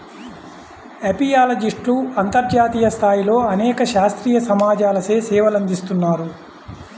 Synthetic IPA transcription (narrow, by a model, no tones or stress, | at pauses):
epijaːlɐd͡ʒiʂʈluɐnt̪ɐɾd͡ʒaːt̪iːjɐst̪ʰaːjilo̞ːɐnɛːkɐʃaːst̪ɾiːjɐsɐmaːd͡ʒaːlɐseːsɛːʋɐlɐnd̪ist̪unːaːɾu